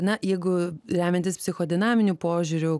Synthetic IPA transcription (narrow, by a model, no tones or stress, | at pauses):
nɐjɛɪɡʊɾʲæːmʲɛnt̪ʲɪspʲsʲɪxoːd̪ʲɪnɑːmʲɪnʲupoːʒʲuɾʲʊ